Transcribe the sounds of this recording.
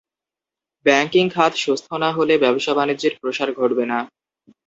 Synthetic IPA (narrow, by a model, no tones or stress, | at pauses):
bɛŋkiŋkʰat̪ʃust̪ʰonaɦolebɛboʃabanid͡ʑeɾpɾoʃaɾɡʱoʈbena